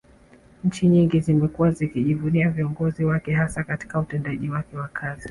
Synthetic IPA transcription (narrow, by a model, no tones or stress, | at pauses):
ɲ̩t͡ʃiɲiŋɡizimɛkuwazikiʄivuniaviɔŋɡɔziwakɛɦasakati̥kautɛndaʄiwakɛwakʰazi